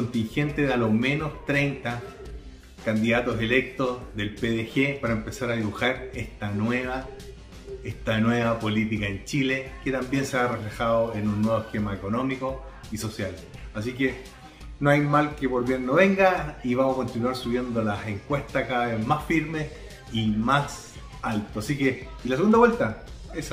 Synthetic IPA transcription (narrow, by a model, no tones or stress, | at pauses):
kont̪iŋxe̞nt̪eðalome̞nost̪ɾejnt̪a | kand̪iðat̪ose̞lek̚t̪ozðe̞lpeðexepaɾaempe̞saɾaðiβuxaɾest̪anweβa | eht̪anweβapo̞lit̪̬ikaent͡ʃileket̪ambje̞nseareflexaðoenunːwe̞βokemaeko̞no̞miko | iso̞sjal | as̬ike | noajmalkepo̞ɾβje̞nːoβe̞ŋɡaiβamsako̞nt̪inwaɾsuβje̞nd̪olaeŋkwe̞ht̪akaðaβezmasfiɾme̞s | imas | alt̪oasike | ilaseɣund̪awelt̪aes